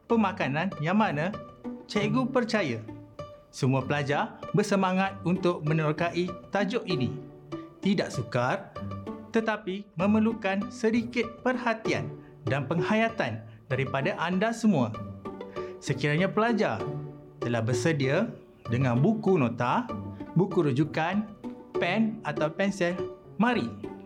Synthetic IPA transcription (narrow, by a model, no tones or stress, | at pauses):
pəmãkanãnjaŋmanãt͡ʃeɡupərt͡ʃaja | səmuapəlad͡ʒarbərsəmaŋat̪̚unt̪ʊk̚mə̃nɔrkaʔit̪ad͡ʒɔʔini | t̪idaʔsukart̪ət̪apimə̃məlukansədikɪt̪̚pərhat̪ia̰n | danpəŋhajat̪an | daɾipadaʔandasəmua̰ | səkiɾaɲãpəlad͡ʒar | t̪əlahbərsədia | dəŋãnbukunõt̪abukuɾud͡ʒukanpɛnat̪awpɛnsɛl | mãɾi